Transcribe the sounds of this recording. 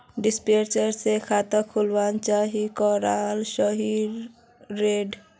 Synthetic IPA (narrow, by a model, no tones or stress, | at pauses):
ɖɪspeːɾt͡ʃəɾsekʰaːt̪əkʰʊlʋaːnt͡ʃaɦikɔːɾaːlʃəɦiɾː | eːɖ